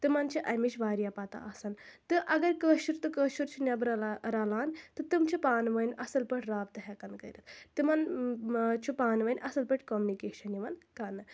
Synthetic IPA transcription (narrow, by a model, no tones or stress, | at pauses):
t̪ɨmɐnt͡ʃʰiʔɐjmiʃʋaːɾjapat̪a̰ʔɐsɐnt̪ɨʔɐɡɐɾkəːʃuɾt̪ɨkəːʃuɾt͡ʃʰunʲɐbɾɐɾalaːnt̪ɨt̪ɨmt͡ʃʰupaːnʋɐnʲʔɐsɐlpɐʈʰɾaːb̚t̪ɨɦɛkɐnkɐjɾɐt̪ʰt̪ɨmɐn | t͡ʃʰupaːnʋɐnʲʔɐsɐlpəʈʲkoːmunikeːʃɐnjiʋɐnkanːɨ